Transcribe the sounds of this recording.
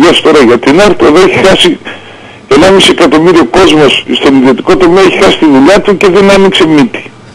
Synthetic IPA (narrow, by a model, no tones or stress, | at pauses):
ɐst̪o̞ɾɐʝɐt̪inɐɾt̪oðoeçixɐsi | e̞nɐmisie̞kɐt̪o̞miɾio̞ko̞zmo̞sst̪o̞niðio̞t̪iko̞t̪o̞meɐeçi̥xɐsi̥st̪iðuʎɐt̪uce̞ðe̞nɐnikse̞mit̪i̥